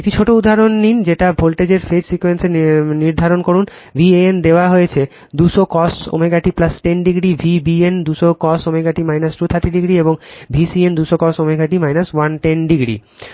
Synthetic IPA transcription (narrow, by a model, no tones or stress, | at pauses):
ekʈit͡ɕʰoʈoud̪ʱaɾonːind͡ʑeʈabʱolʈed͡ʑeɾfed͡ʑsikwenseniɾd̪ʱaɾonkoɾun | bʱieend̪eoaɦojet͡ɕʰe | d̪uʃokɔsʈo̰meɡʱaʈiplasʈenɖiɡɾibʱibiend̪uʃokɔsomeɡaʈimajnasʈut̪ʰaɾʈːiɖiɡɾieboŋbʱisiend̪uʃokɔsʈomeɡʱaʈimajnaswanʈenɖiɡɾḭ